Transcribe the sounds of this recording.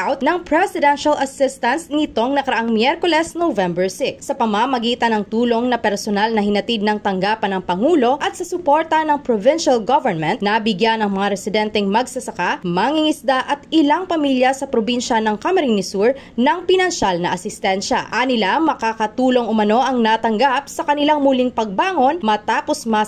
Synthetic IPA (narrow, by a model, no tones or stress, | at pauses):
ʔawt̪nɐŋpɹɛsɪd̪ɛnʃɐlʔɐsɪst̪ɐnsnɪt̪o̞ŋnɐkɐɾɐʔaŋmjɛɾkolɛsnovɛmbɛɹsɪksɐpɐmamɐɡiːt̪ɐnɐŋt̪uːlo̞ŋnɐpɛɾsonalnɐhɪnɐt̪id̪̚nɐŋt̪ɐŋɡaːpɐnːɐŋpɐŋuːlo̞ʔɐt̪̚sɐsʊpo̞ɾt̪ɐnɐŋpɾovɪnʃɐlɡovɛɹnmɛ̃nt̪̚nɐbɪɡjanɐŋmɐŋaɾɛsɪd̪ɛnt̪ɛŋmɐɡsɐsɐkamɐŋiŋɪsd̪aʔɐt̪ɪlaŋpɐmiljɐsɐpɾobinʃɐnɐŋkɐmɛɾɪŋnɪsuɹ | nɐŋpɪnɐnʃalnɐʔɐsɪst̪ɛnʃɐ̰ʔɐnɪlamɐkaːkɐt̪uːlo̞ŋʊmɐno̞ʔɐŋnat̪ɐŋɡap̚sɐkɐnɪlaŋmuliŋpɐɡ̚baːŋo̞nmɐt̪aːpo̞smɐ